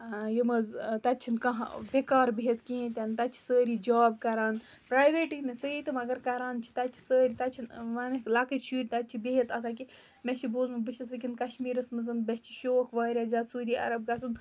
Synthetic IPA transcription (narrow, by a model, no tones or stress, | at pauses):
jimɐzt̪ɐt͡ʃʰinkɐɦbekaːɾbiɦet̪kĩːt̪ʲant̪ɐtt͡ʃʰi̥səːɾiːd͡ʒaːb̚kɐɾaːn | pɾaːjʋeːʈiknɨsəit̪ɨmɐɡɐɾkɐɾaːnt͡ʃʰi̥t̪ɐt͡ʃʰi̥səːɾit̪ɐt͡ʃʰinʋɐnɨlaːkɨʈʲʃʰiːʈʲt̪ɐt͡ʃʰibeɦet̪ɐsaːk̬i | meʃʰiboːzmɨbɨʃɐsʋɨk̬inkɐʃmiːɾɐsmɨzɨnbʲɐst͡ʃʰi̥ʃoːkʰʋɐːɾʲaːzaːt̪suːɾiːʔɐ̰ɾɐb̚ɡasun